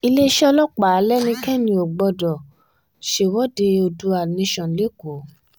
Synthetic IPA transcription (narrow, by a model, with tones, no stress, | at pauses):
i˧le˦ʃɛ˦lɔ˦k͡pa˨˦lɛ˦nĩ˧˦kɛ˦nĩ˧o˨ɡ͡bɔ˧dɔ˨ | ʃe˧˨wɔ˦de˧o˧du˧a˨nĩ˧˦ʃɔ̃˨le˦ko˨˦